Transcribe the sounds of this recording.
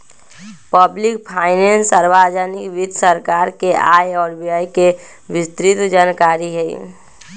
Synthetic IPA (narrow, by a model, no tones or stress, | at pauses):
pəblɪk̚pʰaːɪnensaɾbaːd͡ʒanɪkʋid̪ʱsəɾkaːɾkeʔaːjɔːɾbiaːjke | ʋɪst̪ɾɪt̪d͡ʒaːnkaːɾiɦɛ̰